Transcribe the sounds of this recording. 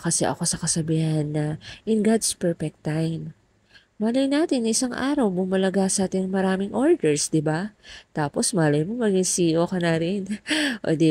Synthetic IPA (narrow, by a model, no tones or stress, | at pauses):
kɐsɛ̰ʔɐ̰ko̞sɐkɐsɐbiːhɐnːɐʔɪnɡad̪spɛɹfɛk̚t̪ːajm | maːlɐjnaːt̪ɪnːɐʔɪsaŋʔa̰ːɾɐwbʊmɐlɐɡasɐʔaːt̪ɪnɐŋmɐɾaːmɪŋʔo̞ɹd̪ɛɹsd̪ɪbat̪aːpo̞smaːlɐjmomɐɡɪŋsiːʔokɐnɐɾɪnʔo̰d̪ɛ